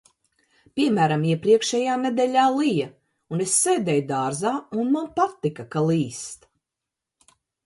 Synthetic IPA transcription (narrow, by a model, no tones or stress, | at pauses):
pʲiɛmæːɾamiɛpɾiɛkʃɛjaːned̪ɛlʲaːlˠija | unesseːd̪ɛjd̪aːɾzaːunmanpat̪ːikakalˠiːst̪